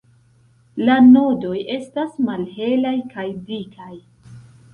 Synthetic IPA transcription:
lanodo̞je̞stasmalhe̞lajkajdikʰaj

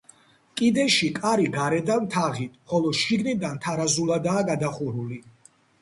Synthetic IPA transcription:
kʼid̪ɛʃikʼaɾiɡaɾɛd̪ant̪ʰaʁit̪ʰχɔlɔʃiɡnid̪ant̪ʰaɾazulˠad̪aːɡad̪aχuɾuli

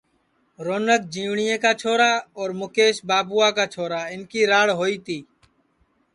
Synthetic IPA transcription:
ɾoːnək̚d͡ʒiːʋɳɪjẽːkaːt͡ʃʰoːɾaːɔːɾmʊkeːʃbaːpʊːaːkaːt͡ʃʰoːɾaːɪnkiːɾaːɽɦoːiːt̪iː

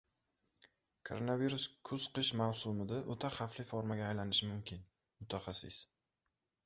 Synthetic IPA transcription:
kʰo̞ɾonaviɾʊskʰʊz̥qɨʃmawsʊmɪd̪aʔot̪ʰaχaflɪfoɾmaɡʲaːjlanɪʃɪmʊmkʲʰɪn | mʊt̪ʰaχasɪ̰s

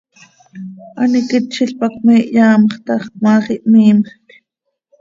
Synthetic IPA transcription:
ʔɑnikit̪ʃiɬpɑkmiːʔjɑːmχt̪ɑχmɑːχiʔmiːmχk

